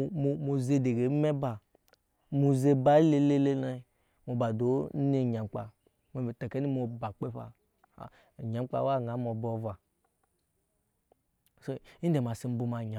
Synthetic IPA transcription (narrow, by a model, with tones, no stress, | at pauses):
mo˨mo˨ze˧de˨ɡe˨˦mɛ˦ba˨ | mu˧ze˧ba˦le˦le˦le˦la˦i˨ | mo˨ba˨do˨˦ne˦˨ɲa˨ŋ͡mk͡pa̰˨ | m˨tɛ˨kɛ˦ni˦mo˧ba˨k͡pe˦ɸa̰˨ | ɲa˨˦k͡pa̰˨˦wa˦˨ŋa˨˦mɔ˨bɔ˨va˨ | so˦i˦dɛ˨ma˨si˨˧m̩˦bu˧ma˨ɲa˨